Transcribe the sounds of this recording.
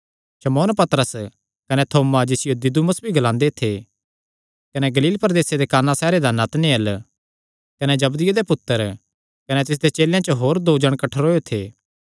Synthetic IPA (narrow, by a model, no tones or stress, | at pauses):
ʃɐmoːnpɐt̪ɾəs | kɐnɛt̪ʰoːmad͡ʒesɪjod̪ɪd̪uməsbʱiɡɐlãːnd̪et̪ʰe | kɐnɛɡɐliːlpɾɐd̪eːsed̪ekaːnasɛːɾed̪anat̪neɐl | kɐnɛd͡ʒɐbd̪ɪjod̪epʊt̪ːəɾ | kɐnɛt̪ɪs̬d̪et͡ʃeːljãt͡ʃəɦoːɾd̪oːd͡ʒɐɽ̃kɐʈʰɾoːjot̪ʰeː